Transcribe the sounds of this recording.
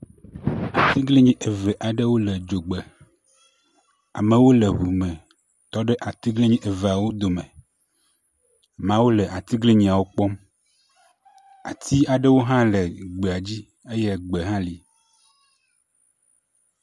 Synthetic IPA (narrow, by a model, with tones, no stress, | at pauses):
a˨t̪i˦ɡli˦ɲĩ˦ʔe˨vɛ˨ʔa˨ɖe˦wo˦le˨d͡ʒo˨ɡ͡be˨ | a̰˨mẽ˨wo˦le˨ɦu˨mẽ˨ | t̪ɔ˦ɖe˦ʔa˨t̪i˦ɡli˦ɲĩ˦ʔe˨ve˨a˨wo˦d̪o˨mḛ̃˨ | mã˦wo˦lɛ˨a˨t̪i˦ɡli˦ɲĩ˨a˨wo˦k͡pɔ˦m | a̰˨t̪ʰi˦a˨ɖe˦wo˦ɦã˦le˨ɡ͡be˨a˨d͡ʑi˦ | e˦jɛ˦ɡ͡be˨ɦã˦li˨